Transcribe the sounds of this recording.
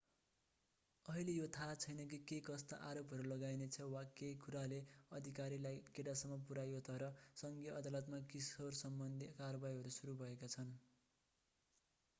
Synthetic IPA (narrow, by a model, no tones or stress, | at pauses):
ʌɦilejot̪ʰat͡sʰʌjnʌk̬ikekʌst̪a̰ʔaɾopɦʌɾulʌɡajnet͡sʰʌwakekuɾaleʌd̪ʱikaɾilajkeʈasʌmːʌpuɾajot̪ʰʌɾʌsʌŋɡijʌʌd̪alʌt̪makisorsʌmbʌnd̪ʱikaɾʌbajɦʌɾusuɾubʱʌekat͡sʰʌn